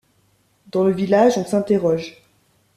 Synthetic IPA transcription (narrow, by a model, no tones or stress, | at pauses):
d̪ɑ̃ləvilaʒɔ̃sɛ̃t̪eʁɔʒ